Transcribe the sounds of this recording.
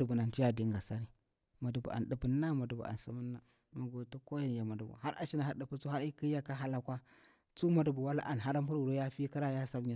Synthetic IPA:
u˨bu˨na˨n˨ti˦ja˦di˨ŋɡa˨sa˦ɾi˦ | ma˨du˨bṵ˨a̰˨n˨ɗu˨pə˦nːa˦ma˨du˨bṵ˨ʔa̰˨n˨sə˦mu˦nːa˦ | ma˨ɡo˨tu˦ko˦ja˦n˨ja˨ma˨du˨bṵ˨ɦa˦ɾʔa̰˨ʃi˦na˨ha˦də˨pu˦t͡su˦a˦ɾi˦ki˦ja˦ka˦ɦa˦la˦kʷa˦ | t͡su˦ma˦du˨bu˨wa˦la̰˦ʔa˨n˨ɦa˦ɾa˦mpu˦wu˨ɾo˦ja˦fi˦ki˦ɾa˦ja˦sa˦bɲa˨

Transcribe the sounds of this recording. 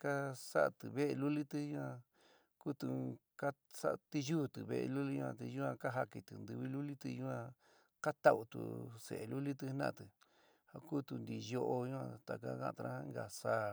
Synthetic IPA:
ka˦sa˦ʔa˧t̪ɨ˨βe˦ʔe˧lu˦li˦t̪ɨ˦jũ˦ã˧ | ku˦t̪u˧ | ka˦ | sa̰˦ʔt̪i˧juː˦t̪ɨ˨βḛ˧ʔḛ˧lu˦li˦ɲũ˧ã̰˧t̪i˧ju˦ã˧ka˦ɦa˧ki˧t̪ɨ˨nd̪ɨ˧βi˦lu˦li˦t̪ɨ˧ju˦ã˧ | ka˦t̪a˧u˧t̪ṵ˨sḛ˨e˨lu˦li˦t̪ɨ˧˦nã̰˦˨t̪ɨ˨ | ha˧ku˦t̪u˧nd̪i˧˨jo˧ʔo˧jũ˦ã̰˧t̪a˨ka̰˦kã̰˦˧˨t̪a˧ɾã˦ŋɡa˨saː˦˧˦

